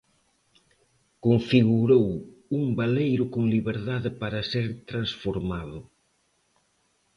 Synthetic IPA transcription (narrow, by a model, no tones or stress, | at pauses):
koɱfiɣuɾowuŋbalejɾʊkoŋliβeɾðaðɪpaɾɐseɾt̪ɾansfoɾmaðʊ